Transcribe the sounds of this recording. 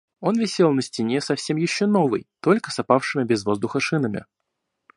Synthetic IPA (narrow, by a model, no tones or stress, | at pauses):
o̞nvʲɪsʲe̞lˠnəsʲtʲɪnʲesɐfsʲe̞mjɪɕːono̞vɨ̰jt̪o̞lʲkə̥sɐpafʂɨmʲɪbʲɪzvo̞zd̪ʊxəʂɨnəmʲɪ̰